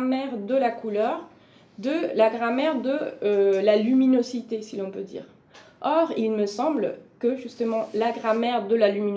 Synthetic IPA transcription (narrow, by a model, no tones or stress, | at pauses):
mɛʁd̪əlakulœʁ | d̪əlaɡʁamɛʁd̪əølalyminozit̪esilɔ̃pød̪ḭːʁ | ɔʁilməsɑ̃blkəʒyst̪əmɑ̃laɡʁamɛʁd̪əlalymin